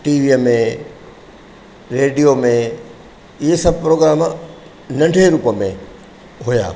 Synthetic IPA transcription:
ʈiːʋiːəmẽ | ɾeːɖijomẽ | ɪɦesɐbʱpɾoːɡɾaːm | nɐ̃ɳɖʱeɾuːpəmḛ̃ | ɦuja̰ː

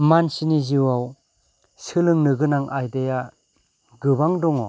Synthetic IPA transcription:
mansiniziwaw | sɯlɯŋnɯɡɯnaŋʔajdeja | ɡɯbaŋdɔŋɔ

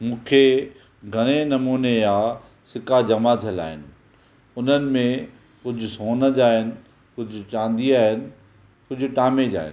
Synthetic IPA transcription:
mũːkʰe | ɡʱɐɽ̃enɐmuːnejãː | sɪkad͡ʑɐmat̪ʰila̰ːɦɪnɪ̆ | ʊn̤ənɪ̆mẽ | kʊd͡ʑʱʊsoːnəd͡ʑaːɦɪnɪ̆ | kʊd͡ʑʱʊt͡ɕãːnd̪iaːɦɪnɪ̆ | kʊd͡ʑʱʊ̆ʈaːmed͡ʑa̰ːɦɪ̰n

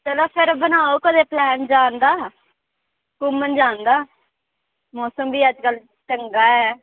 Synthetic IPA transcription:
t͡ʃəlaːpʰɪɾbənaːoːkəleːplɛːnd͡ʒaːnd̪aː | kʊmːənd͡ʒaːnd̪aː | mɔːsəmbiːəd͡ʒkəl | t͡ʃəŋɡaːɛː

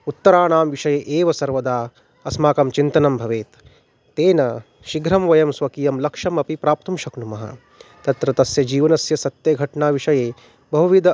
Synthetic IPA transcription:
ut̪ːɐɾaːɳaːmʋiʃɐjeːʔeːʋɐsɐɾʋɐd̪aː | ɐsmaːkɐmt͡ʃint̪ɐnɐmbʱɐʋeːt̪ː | eːnɐ | ʃiɡɾɐmʋɐjɐmsʋɐkijɐmlɐkʂɐmɐpipɾaːp̚t̪umʃɐknumɐɦɐ̰ | t̪ɐt̪ɾɐt̪ɐsjɐd͡ʒiːʋɐnɐsjɐsɐt̪jɐɡʱɐʈɳaːʋiʂɐjeː | bɐɦuʋid̪ɐ

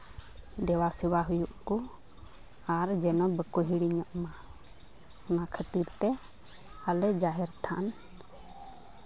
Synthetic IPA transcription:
d̪ɛwasɛwaɦujuʔku | aɾd͡ʒɛnɔbəkuɦiɽiɲɔʔma | ɔnakʰət̪iɾt̪ɛ | alɛd͡ʒaɦɛɾt̪ʰa̰n

